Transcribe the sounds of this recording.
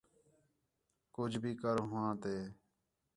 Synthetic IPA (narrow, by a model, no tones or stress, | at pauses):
kʊd͡ʒʱbʱiːkəɾɦʊ̃ãːt̪eː